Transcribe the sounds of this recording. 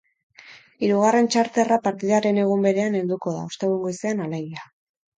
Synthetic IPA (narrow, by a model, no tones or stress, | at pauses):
iɾuɣ̞are̞nt͡ʃaɾt̪erapaɾt̪iðaɾe̞ne̞ɣ̞umbe̞ɾe̞ane̞nd̪uko̞ða̰ust̪e̞ɣuŋɡoiseanale̞ɣ̞ia